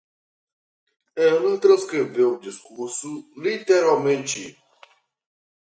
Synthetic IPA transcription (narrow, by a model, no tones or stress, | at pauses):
ẽlə̃t̪ɾɐ̃skɾevewũd͡ʒiskuɾsulit̪eɾalmẽnt͡ʃɪ